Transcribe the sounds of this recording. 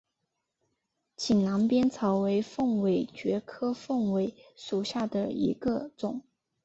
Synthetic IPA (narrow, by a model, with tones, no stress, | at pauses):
t͡ɕʰi˨˩nla˧˥ŋpjɛ˥nt͡sʰɑ˧˥ʊwe˧˥ɪfɤ˥˩ŋwe˨˥˩ɪt͡ɕɥɛ˧˥kʰɤ˥fɤ˥˩ŋwe˧˥ɪʂu˨˩ɕja˥˩d̪ə˩ḭ˧˥ɡə˧t͡sʊ˨˩˦ŋ